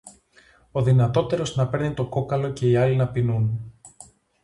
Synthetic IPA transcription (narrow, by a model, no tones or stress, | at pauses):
o̞ðinɐt̪o̞t̪e̞ɾo̞znɐpe̞ɾnit̪o̞ko̞kɐlo̞ce̞iɐlinɐpinun